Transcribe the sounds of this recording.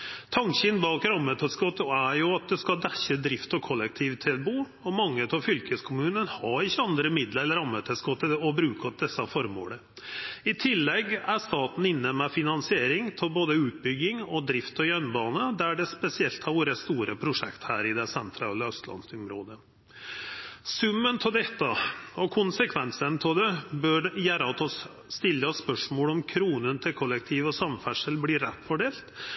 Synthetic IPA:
t̪ʰɑŋçənbɑːkɾɑmːət̪ʰɛskɔt̪ːɔæɾjʊɑt̪̚d̪ɛskɑd̪æçəd̪ɾɪft̪ɔkʰɔlːɛk̚t̪ʰiːʋt̪ʰɪlbuː | ɔmɑŋːət̪ʰɑʋfʏlkʰəskʰʊmʉːnənhɑɾɪçːəɑnd̪ɾəmɪd̪ləɾləɾɑmːət̪ʰɛskɔt̪ːəɔbɾʉːkɑd̪ɛsːɑfɔɾmo̰ːlə | ɪt̪ʰɪlːɛɡæʂt̪ɑːt̪n̩ɪnːəmɛfɪnɑnsɪeːɾɪŋt̪ʰɪlboːd̪əʉːt̪̚bʏɡɪŋɔd̪ɾɪft̪ɔjœnbɑːnəd̪æɖɛspɛsɪɛlt̪hɑɾʋoːɾəst̪uːɾəpʰɾʊʂɛ̰kt̪hæːɾɪd̪ɛsɛnt̪ʰɾɑːləœst̪lɑ̰nsʊmɾoːd̪ə | sʉmːənt̪ʰɪd̪ɛt̪ːəɔkʰʊnsəkʰʋɛnsənt̪ʰɔd̪ɛbœɖjæːɾt̪ʰɔsː | t̪ɪlːəəspœʂmoːlɔmkʰɾuːnənt̪ʰɪlkʰɔlːɛk̚t̪ʰiːʋɔsɑmfæʂəlbliːɾɛt̪ːfɔɖeːlt̪

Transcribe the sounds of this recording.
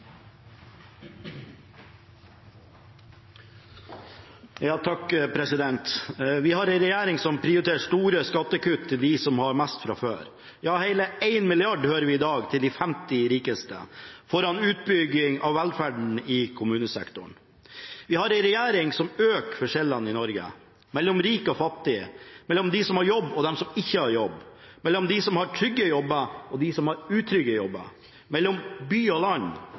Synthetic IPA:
jɑːt̪ʰɑkpʰɾɛsɪd̪ɛnt̪ʋɪhɑɾæɪnɾɛjæːɾɪŋsɔmpʰɾɪʊɾɪt̪ʰeːʂt̪uːɾəskɑt̪ːəkʉt̪ʰːɪld̪ɪsɔmhɑɾmæst̪fɾɑ̰fø̰ːɾ | jɑːhæɪləʔæɪnmɪlɪɑɖhøːɾəʋɪɪd̪ɑːɡt̪ʰɪld̪ifæmt̪ɪɾiːkəst̪ə̰fɔɾɑnʉːt̪̚bʏɡɪŋɑʋːɛlfæɖɳ̩ɪkʰʊmʉːnəsɛ̰kt̪ʊɳ | ʋɪhɑɾæɪnɾɛjæːɾɪŋsɔmøːkfɔɾʂɛlːɑnɪnɔɾɡə̰ | mɛlːɔmɾiːkɔfɑt̪ːɪmɛlːɔmd̪ɪsɔmhɑɾjɔbːɔd̪ɛmsɔmɪçːəhɑɾjɔbː | mɛlːɔmd̪ɪsɔmhɑʈʰɾʏɡːəjɔbːəɔd̪ɪsɔmhɑɾʉːt̪ʰɾʏɡəjɔbːə̰ | mɛlːɔmbyːɔlɑn

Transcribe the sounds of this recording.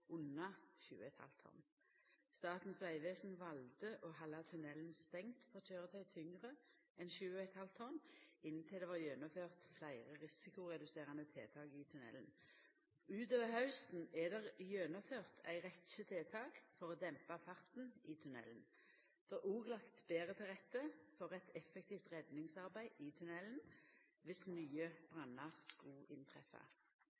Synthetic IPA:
ʊnɑʃʉ̰ːəɛt̪hɑ̰lt̪ʰɔ̰ʁn | st̪ɑːt̪n̩sʋæɪʋeːsn̩ʋɑld̪əʔoːhɑlɑt̪ʰʉnɛlnst̪ɛŋt̪fɔt͡ʃøːʁət̪ʰœʏt̪ʰʏŋʁə | ɛnʃʉːəɛt̪hɑlt̪ʰɔʁnɪnnt̪ʰɪld̪ɛʋɑjøːnɔføːʁt̪flæɪʁəʁɪsɪkʊʁɛd̪ʉseːʁɑnət̪ʰeːt̪ʰɑːɡit̪ʰʉnɛ̰ln̩ | ʉːt̪oːʋəʁhɑʉst̪n̩ɛd̪ɛʁjøːnɔføːʁt̪ʰæ̰ɪʁɛt̪ʃət̪ʰeːt̪ʰɑːkfɔʁoːd̪ɛmpɑfɑʁt̪n̩iːt̪ʰʉnɛ̰ln | d̪̥ɛuːɡlɑkt̪beːʁət̪ʰɪlʁɛt̪ːəfɔʁɛt̪ɛfːɛk̚t̪ʰiːft̪ʁɛd̪nɪŋsɑʁbæɪit̪ʰʉnɛln̩ʋɪsnyːəb̥ʁɑnɑʁskɑɪnt̪ʰʁɛfɑ̰

